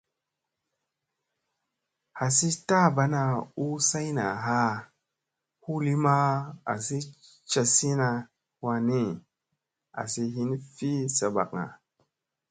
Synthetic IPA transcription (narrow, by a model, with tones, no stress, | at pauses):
ha˨si˦ta˦ba˦na˨u˦sa˦jna̰˨ɦa˦ | hu˦li˦ma˦a̰˨si˦ | t͡ʃa˨si˦na˨ | wa˧ni˦ | a̰˨si˨ɦi˦n˦fi˦sa˨ba̰˨k̚ŋa̰˨